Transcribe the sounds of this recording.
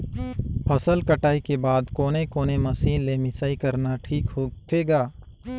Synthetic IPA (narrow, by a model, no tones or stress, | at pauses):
pʰɐsəlkəʈaːikebaːd̪koːnekoːnemɐsiːnlemɪsaːikɐɾnaʈʰiːkɦoːɡt̪ʰeːɡaː